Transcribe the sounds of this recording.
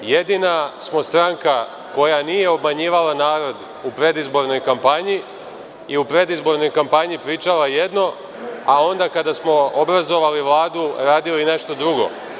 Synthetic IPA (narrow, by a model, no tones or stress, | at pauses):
je̞d̪inasmo̞st̪ɾaŋka | ko̞janije̞o̞bmaɲiːʋalanaːɾo̞d̪ | upɾe̞d̪izbo̞ɾno̞jkampaɲi | iupɾe̞d̪izbo̞ɾno̞jkampaɲipɾiːt͡ʃalaje̞d̪no̞ | ao̞nd̪akad̪asmo̞obɾazo̞ʋaliʋlˠaːd̪uɾaːd̪iline̞ʃt̪o̞d̪ɾuɡo̞̰